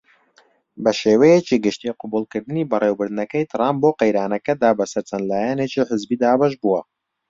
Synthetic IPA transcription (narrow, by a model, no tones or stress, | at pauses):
bɐʃeːwɛjet͡ʃiːɡɨʃt̪ieqʊbuːlˠkɨɾd̪ɨniːbɐreːwbɨɾd̪ɨnɐkɐjt̪ʰɨraːmboːqejɾaːnɐkɐd̪aːbɐsɐɾt͡ʃʰɐnd̪laːjɛnet͡ʃiːħəzbiːd̪aːbɐʃbuwɐ